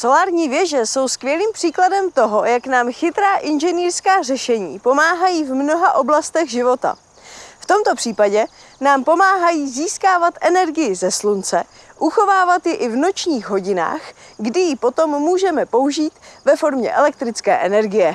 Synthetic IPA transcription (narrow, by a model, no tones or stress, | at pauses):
so̞laːɾɲiːvjɛʒɛso̞wskvjɛliːmpr̥iːkladɛmt̪o̞ɦo̞jaknaːmxɪt̪ɾaːʔɪnʒɛniːrskaːr̝ɛʃɛɲiːpomaːɦajiːvmno̞ɦaʔo̞blast̪ɛɣʒɪvo̞t̪a̰ | ft̪o̞mt̪o̞pr̥iːpaɟɛ | naːmpo̞maːɦajiːziːskaːvat̪ʔɛnɛɾɡɪjɪzɛslunt͡sɛ | ʔuxo̞vaːvat̪jɪʔɪvno̞t͡ʃɲiːɣɦo̞ɟɪna̰ːxɡdɪjɪpo̞t̪o̞mːuːʒɛmɛpo̞uʒiːt̪vɛfo̞ɾmɲɛ̰ʔɛlɛk̚t̪ɾɪt͡skɛ̰ːʔɛnɛɾɡɪjɛ